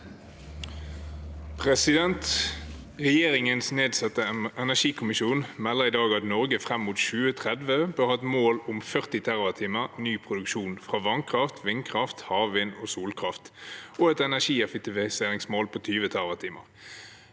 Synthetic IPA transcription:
pʰʁɛsɪd̪ɛnt̪ | ʁɛjeːʁɪŋənsneːd̪sɑt̪əɛnæʃiːkʰʊmɪʃuːnmɛlːəʁɪːd̪ɑːɡɑt̪nɔʁɡəfʁɛmːuːt̪ʃʉːət̪ʰʁɛd̪ʋəbøʁhɑɛt̪moːlʊmfœʁt̪ɪt̪ʰæʁʋət̪ʰiːməʁnyːpʰʁʊd̪ʉkʃuːnfʁɑːʋɑŋkʰʁɑft̪ʰʋɪŋkʰʁɑft̪hɑːʋʋiːnoːsuːlkʰʁɑft̪ʔoːɛt̪ɛnæʃiːɛfɛk̚t̪ɪʋɪseːʁɪŋsmoːlpʰoːt̪ʰyːʋət̪ʰæʁʋət̪ʰiːmə̰ʁ

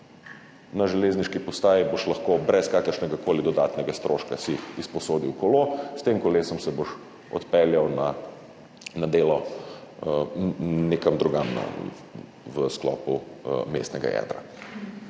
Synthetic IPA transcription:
naʒɛleːzniʃkipɔst̪aːjiboʃlɐxkoːbɾɛskaːkəɾʃnɛɡakoːlid̪ɔd̪aːt̪nɛɡast̪ɾʔoːʃkasiispɔsoːd̪iwkɔlost̪emkɔleːsɔmsɛboʃ | ɔ̰t̪pɛljawna | nad̪eːlɔ | nekɐmd̪ɾuɡamna̰ | ʋəsklɔ̰ːpumḛst̪nɛɡa̰jɛ̰ːd̪ɾa̰

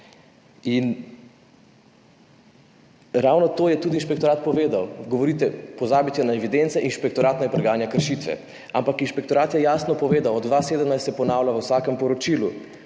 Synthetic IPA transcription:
in | ɾawnɔt̪oːjɛt̪ud̪iːnʃpɛk̚t̪ɔɾaːt̪̚pɔʋeːd̪awɡɔʋɔɾit̪ɛpɔzaːbit̪ɛnaɛʋid̪ent̪sɛʔinʃpɛk̚t̪ɔɾaːt̪nɔjɛpɾɛɡaːnjakəɾʃit̪ʋɛ̰ | ampakinʃpɛk̚t̪ɔɾaːt̪jɛjaːsnɔpɔʋeːd̪awɔd̪d̪ʋaːseːd̪əmnaɪjst̪sjɛpɔnaːwlʲaʋəwsaːkɛmpɔɾɔt͡ʃiːlu

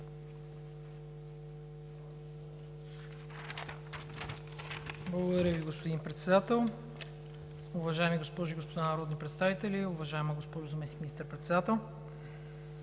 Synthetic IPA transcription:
blˠɐɡod̪ɐɾʲəviɡospod̪inpɾɛt̪sɛd̪at̪ɛlˠ | ʊvɐʒaɛmiɡospɔʒʊiɡospod̪anɐɾɔd̪nipɾɛt̪st̪avit̪ɛlʲiʊvɐʒaɛməɡospɔʒʊzɐmɛsnikminist̪əɾpɾɛt̪sɛd̪at̪ɛlˠ

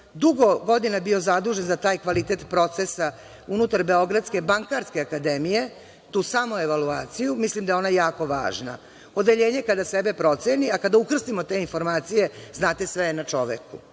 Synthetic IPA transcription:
d̪uɡo̞ɡo̞d̪inabio̞zad̪uːʒenzat̪aːjkʋalit̪et̪pɾo̞t̪sesa | unut̪aɾbe̞o̞ɡɾat̪ske̞baŋkaɾske̞akad̪emije̞ | t̪uːsamoeʋaluaːt̪sijumislimd̪ajeo̞najjaːko̞ʋa̰ːʒna̰ | o̞d̪e̞ʎeːɲekad̪asebe̞pɾo̞t̪seniakad̪aukr̩st̪imot̪e̞info̞ɾmaːt̪sije̞znaːt̪esʋenat͡ʃo̞̰ʋḛku

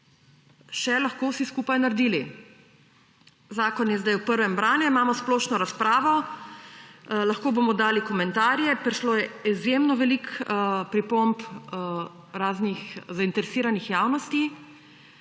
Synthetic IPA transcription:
ʃɛlɐxkoːwsiskuːpajnaɾd̪iːli | zaːkɔnjɛzd̪ajwpəɾʋɛmbɾaːnjɛimaːmɔsploːʃnɔɾaspɾaːʋɔ | laxkoːbomɔd̪aːlikɔmɛnt̪aːɾjɛpɾiʃloːjɛizjemnɔʋɛlikpɾipomp | ɾaːznixzaint̪ɛɾɛsiːɾanixjaːwnɔst̪i

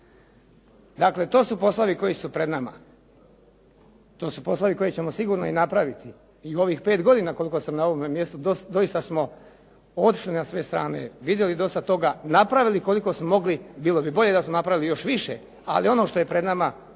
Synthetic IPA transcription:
d̪akle̞t̪o̞ːsupo̞slaʋiko̞jisupɾe̞d̪nama̰ | t̪o̞ːsupo̞slˠaʋiko̞jet͡ɕe̞mosiɡuːɾno̞̰inapɾaʋit̪i | io̞ʋiːxpeːt̪ɡo̞d̪iːnako̞lˠikosamnao̞ʋomemje̞st̪ud̪osd̪o̞jist̪asmo̞ | ot̪i̥ʃlinasʋe̞st̪ɾa̰ːnḛʋid̪je̞lid̪o̞st̪at̪o̞ɡanapɾaʋiliko̞liko̞smomo̞ɡlibiːlˠo̞bibo̞ʎe̞d̪asmonapɾaʋilijo̞ʃʋiʃḛ | a̰lio̞no̞ːʃt̪o̞je̞pɾe̞d̪nama

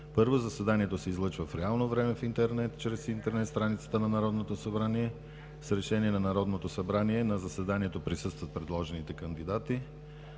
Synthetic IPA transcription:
pɤɾvozɐsɛd̪aniɛt̪osɛizlˠɤt͡ʃvəfɾɛalˠnovɾɛmɛfint̪ɛɾnɛt̪t͡ʃɾɛsint̪ɛɾnɛt̪st̪ɾanit̪sə̥t̪ənɐnɐɾɔd̪not̪osɐbɾaniɛ | sɾɛʃɛniɛnɐnɐɾɔd̪not̪osɐbɾaniɛnɐzəsɛd̪aniɛt̪opɾisɤst̪vət̪̚pɾɛd̪lˠɔʒɛnit̪ɛkənd̪id̪at̪i

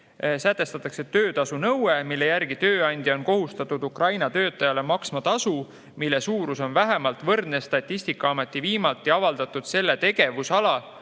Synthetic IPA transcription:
sæt̪ːˑe̞st̪ɑt̪ːˑɑkse̞t̪øːt̪ɑsunɤwemilːe̞jæɾɡ̥it̪ø̞ːɑnʲd̪̥ʲjio̞nko̞ɦust̪ɑt̪ːˑud̪ukrɑjnɑt̪øːt̪ːˑɑjɑle̞mɑksmɑt̪ɑsu | milːe̞suːɾuso̞nvæɦe̞mɑlt̪ˑvɤrd̪nest̪ɑt̪ʲːist̪ikːˑɑɑme̞t̪ˑːiviːmɑlt̪ːiɑvɑld̪̥ɑt̪ːˑud̪̥se̞lːe̞t̪e̞ɡ̥e̞vusɑlɑ

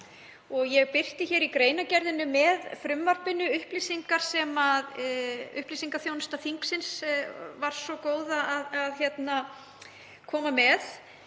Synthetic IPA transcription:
ɔɣjɛɣpɪr̥t̪ɪçɛɾikɾeːjnacɛɾðɪnʏmɛðfɾʏmvaɾ̥pɪnʏʏhplisiŋkaɾ̥sɛmaðʏ̰hplisiŋkaθjownst̪aθiŋksɪnsvaɾ̥sɔkoːwðaaðaðçɛt̪na | kʰɔːmamɛð

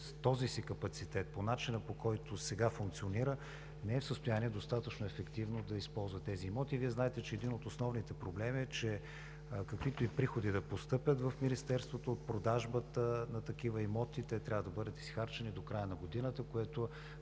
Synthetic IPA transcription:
t̪ɔzisikɐpɐt̪sit̪ɛt̪̚ponat͡ʃinəpokɔjt̪osɛɡafuŋk̚t̪sioniɾə | nɛɛfsəst̪ojaniɛd̪ost̪at̪ət͡ʃnʊɛfɛkt̪ivnod̪ɐispɔlˠzvɐt̪ːɛziːmɔt̪iːviɛznaɛt̪ɛt͡ʃɛːd̪inot̪osnɔvnit̪ɛpɾoblɛmiɛt͡ʃɛ | kɐkvit̪oipɾixod̪id̪ɐpost̪ɤpʲjət̪vəfminist̪ɛɾst̪vot̪oːt̪̚pɾod̪aʒbət̪ənɐt̪ɐk̟ivəimɔt̪it̪ɛt̪ɾʲavəd̪ɐbɤd̪ət̪i̥sxaɾt͡ʃɛnid̪okɾajənɐɡod̪inət̪əkoɛt̪o

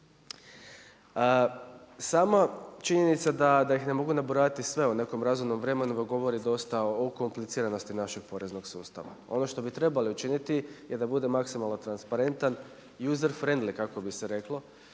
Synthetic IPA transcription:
ə | saːmat͡ʃiɲenit̪sad̪ad̪aixne̞mo̞ɡunabuɾaːʋit̪isʋe̞une̞ko̞mɾazumno̞mʋɾe̞me̞nud̪aɡo̞ʋo̞ɾid̪o̞st̪aoko̞mplit̪siːɾano̞st̪inaʃe̞ɡ̥̚po̞ɾe̞zno̞ɡsṵːst̪a̰ʋa̰o̞̰no̞ʃt̪o̞bit̪ɾe̞baliut͡ʃinit̪ije̞d̪abud̪e̞maksimalˠnot̪ɾanspaɾe̞nt̪an | juzeɾfɾe̞nd̪likako̞biseɾe̞klˠo̞

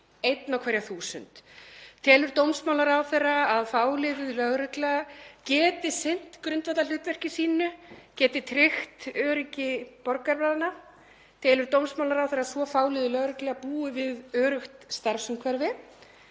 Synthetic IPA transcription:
ejt̪nawkʰvɛːɾjaθuːsʏ̰nt̪t̪ʰɛːlʏɾt̪owmsmawlaɾawθejrːaaðfaːwlɪðɪðlœɣɾɛklɛɣacɛːt̪ɪsen̥t̪kɾʏnt̪vat̪al̥ʏht̪vɛr̥cɪsiːnʏcɛːt̪ɪt̪ʰɾɪxt̪œːɾɪcɪpɔɾkaɾpaːðana | t̪ʰɛːlʏɾt̪owmsmawlaɾawθɛjɾasvɔfaːwlɪðʏlœɣɾɛklɛɣapuːʏvɪðœːɾʏxt̪st̪aɾsʏmkʰɛɾvɪ

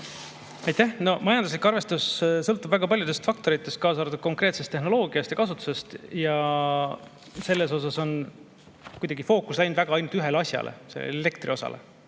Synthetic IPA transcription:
ɑjt̪æhno̞mɑjɑnd̪uslikːɑrve̞st̪ussɤlt̪ːˑub̥væɡ̥ɑpɑlʲjud̪e̞st̪fɑk̚t̪o̞ɾit̪ːˑe̞st̪̚kɑːsɑːɾt̪ud̥̪̚ko̞ŋkˑre̞ːt̪se̞st̪ːe̞ɦno̞lo̞ːɡ̥iɑst̪jɑkɑsut̪ːˑu̥se̞st̪jɑ | se̞lːe̞so̞s̬ɑso̞n | kujd̪ɑɡifo̞ːkːˑuslæjnd̪væɡ̥ɑɑjnult̪yɦe̞leɑsʲjɑ̰lʔḛse̞lːḛele̞kt̪rio̞sɑ̰lʔḛ

